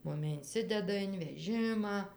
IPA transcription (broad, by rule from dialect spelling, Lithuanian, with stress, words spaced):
ˈmʊmʲɪ ɪnʲˈsʲɪdʲɛdɐ ɪn ʋʲɛˈʒʲɪmɑː